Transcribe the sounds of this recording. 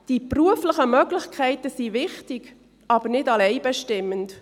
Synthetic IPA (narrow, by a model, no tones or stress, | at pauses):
d̥ipruəflɪχəmœɡlɪçkʰɛɪtəsivɪχtɪɡ | ʔɑbəɾnɪdɑlɛɪbɛʃtɪmːənt